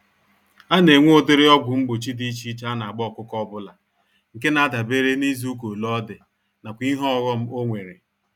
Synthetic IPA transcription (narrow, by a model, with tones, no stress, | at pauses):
a˦ne˨ŋʷ˦o˦dɪ˦ɾɪ˦ɔ˦ɡʷʊ˨m̩˦ɡ͡bo˨t͡ʃi˦di˦t͡ʃi˦t͡ʃa˦na˨a˨ɡ͡bɔ˦˨kʷʊ˦kɔ˦bʊ˦la˨ | ŋ̩˨ke˦na˨a˦da˨be˦ɾe˦ni˦zu˦ko˨lɔ˦dɪ˨ | na˨kʷi˦ɦɔ˦ɣɔ˦m̩˦o˦ŋʷe˨ɾe˨